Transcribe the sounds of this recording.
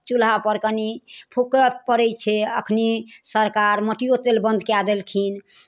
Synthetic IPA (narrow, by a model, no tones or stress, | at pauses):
t͡ʃulɦapəɾkənipʰukəpəɾɛjt͡ʃʰɛə̰kʰnisəɾkaɾməʈiot̪elbə̃nd̪ʱkjad̪elkʰin